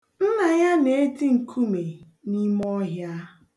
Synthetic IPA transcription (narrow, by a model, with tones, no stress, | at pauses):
m̩˦na˨ja˦ne˨e˦ti˦ŋ̩˨kʰu˦me˨ | ni˦mɔ˦ɦja˦